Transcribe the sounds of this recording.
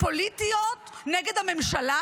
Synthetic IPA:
po̞lit̪ijot̪neɡed̪hame̞mʃala

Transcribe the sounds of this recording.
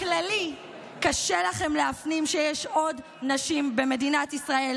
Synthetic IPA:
klali | kaʃelaχe̞mleafnimʃejɛʃod | naʃimbe̞me̞dinat̪isʁael

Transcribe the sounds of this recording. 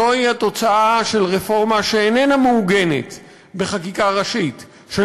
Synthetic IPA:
oihato̞t͡saʔaʃe̞lʁefo̞ʁmaʃeːnenamuːɡe̞nḛt | be̞χakikaʁaʃit | ʃe

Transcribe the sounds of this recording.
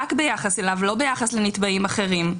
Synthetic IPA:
akbe̞jaχaselavlo̞be̞jaχasle̞nit̪baimaχe̞ʁim

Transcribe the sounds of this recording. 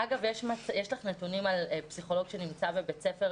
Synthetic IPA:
aɡavjeʃmatjeʃlaχnetunimalpsiχo̞lo̞ɡʃe̞nimt͡sabebet͡sefe̞ʁ

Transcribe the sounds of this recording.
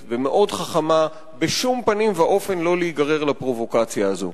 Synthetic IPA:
vemeʔo̞dχaχama | beʃumpanimvaʔo̞fe̞nlo̞leiɡaʁe̞ʁlapʁo̞vo̞kat͡sjaːzo̞̰

